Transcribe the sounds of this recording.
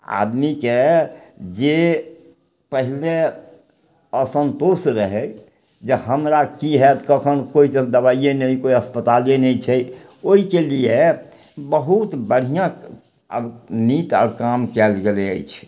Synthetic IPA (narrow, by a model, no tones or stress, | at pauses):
a̰d̪mike | d͡ʒe | pəɦile | əsə̃nt̪osɾəɦɛ | d͡ʒeɦəmɾakiɦɛt̪kəkʰənkoised̪əβaijẽnɛĩkoiəspət̪alẽnɛĩt͡ʃʰɛ | oikelie | bəɦut̪bəɽ̤ijã | ə̰nit̪ɔ̰ːɾkamkɛlɡeleə̰jt͡ʃʰ